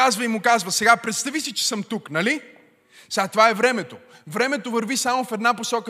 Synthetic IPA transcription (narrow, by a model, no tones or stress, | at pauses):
azvəimʊkazvəsɛɡapɾɛt̪st̪ɐvisit͡ʃɛ̥sɤmt̪uknɐli | sɛɡat̪ovaɛvɾɛmɛt̪o | vɾɛmɛt̪ovəɾvisamʊfɛd̪naposɔkə